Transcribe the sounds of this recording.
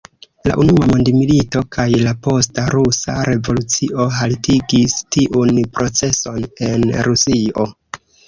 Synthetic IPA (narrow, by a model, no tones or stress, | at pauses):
la̰ʔunuamondimilito̞kʰajlapo̞staɾusa̰ɾe̞vo̞lut͡siʔo̞ɦaltiɡistiʔunpɾo̞t͡se̞so̞ne̞nɾusio̞̰